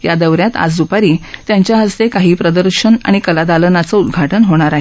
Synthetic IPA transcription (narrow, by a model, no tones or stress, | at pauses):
jad̪əʋɾjat̪a̰d͡zd̪upaɾiːt̪jaɲt͡ɕjaɦəst̪ekaɦiːpɾəd̪əɾɕəna̰ɽ̃ikəlad̪alənat͡sɔud̪ɡʱaʈənɦoɽ̃aɾaɦe